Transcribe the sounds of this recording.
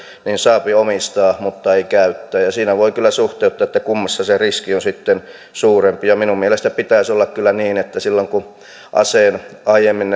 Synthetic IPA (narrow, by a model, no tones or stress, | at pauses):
niːnsɑːpiomist̪ɑːmut̪ːɑeikæyt̪ːæːjɑsiːnæʋoikylːˑæsuht̪eut̪ːˑɑːet̪ːækumːɑsːɑseriskionsit̪ːen | suːrempijɑminummielest̪æpit̪æˑisolːɑkkylːˑæniːnet̪ːæsilːoŋku | ʔɑ̰seːnɑijemːinn